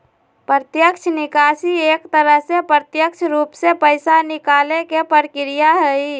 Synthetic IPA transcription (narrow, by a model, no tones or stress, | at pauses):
pɾət̪jəkt͡ʃʰnikasiekt̪əɾəɦsepɾət̪jəkt͡ʃʰɾupsepəɪsanikalekepəɾkɾijaɦəi